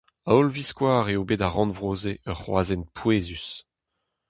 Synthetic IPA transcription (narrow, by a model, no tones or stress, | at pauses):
aɔlviskwaːʁeobeːdaʁɑ̃nvʁoːzeʔœʁχwa̰ːzɛnpʰweːzys